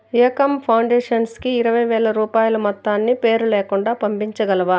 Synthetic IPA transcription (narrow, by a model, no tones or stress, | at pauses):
ɐkɐmpʰɐwɳɖeːʂɐnskiːɾɐʋɐjʋɛːlɐɾuːpaːjɐlɐmɐt̪ːaːnːipeːɾuleːkuɳɖaːpɐmpiɲt͡ʃɐɡɐlɐʋa